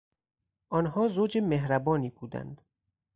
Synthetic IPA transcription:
ʔɒːnɦɒːzoːd͡ʒemeɦɾæbɒːniːbuːd̪æ̰nd̪̥

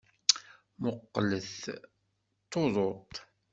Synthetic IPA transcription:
moqːələθ | t̪ːoðˤot̪ˤ

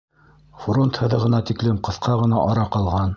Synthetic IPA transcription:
front̪hɤ̆ðɤʁɤ̆nɑt̪iklɘmqɤ̆θqʰɑʁɤ̆nɑʔɑɾɑqɑlˠʁɑn

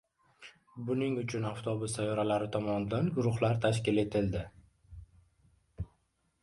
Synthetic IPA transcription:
bʊnɪŋʊt͡ʃʰʊnaft̪ʰɒbʊst̪ajɒɾalaɾɪt̪ʰɒmɒnɪd̪anɡʊɾʊχlaɾt̪ʰaʃkʲɪle̞t̪ʰɪld̪ɪ

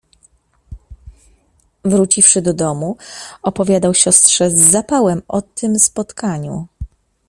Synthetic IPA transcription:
vɾut͡ɕifʂɘd̪ɔd̪ɔmuɔpɔvʲjad̪awɕɔst̪ʂɛzːapawɛmɔt̪ɘmspɔt̪kaɲṵ

